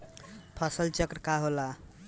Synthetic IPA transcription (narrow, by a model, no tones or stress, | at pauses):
pʰəsəlt͡ʃəkɾkaɦola